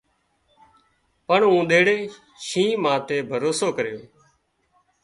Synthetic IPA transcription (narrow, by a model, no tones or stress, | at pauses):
pəɳũːɗ̪eːɽeː | ʃĩːmãːt̪eːbʱəɾoːsoːkəɾɪjoː